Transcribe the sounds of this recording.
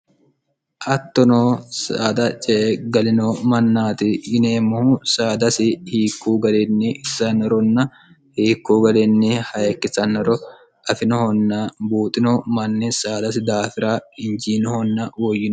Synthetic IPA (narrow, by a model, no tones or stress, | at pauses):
ʔɐt̪ːɔnoːsaːd̪ɐt͡ʃʼeːɡɐlɪnomɐnːaːt̪ɪɪneːmʊhusaːd̪ɐsɪhiːkːuːɡɐlɛnːɪɪsɐnːɔɾɔnːɐ | hiːkːuːɡɐlɛnːɪhɐjɐkːɪsɐnːɔɾɔ | ʔɐfɪnɔhɔnːabuːt̪ʼɪnɔmɐnːɪsaːd̪ɐs̬ɪd̪aːfɪɾaːɪnd͡ʒiːnɔhɔnːɐwɔjːɪn